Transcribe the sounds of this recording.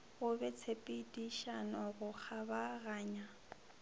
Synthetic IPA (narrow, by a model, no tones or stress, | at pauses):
ɣʊbɛt͡sʰepʼidiʃanɔɣʊk͡xʰabaɣaːɲa